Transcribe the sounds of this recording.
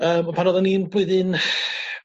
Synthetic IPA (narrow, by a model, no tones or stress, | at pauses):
əːmɔpʰanɔðɔniːnbwɪðɨn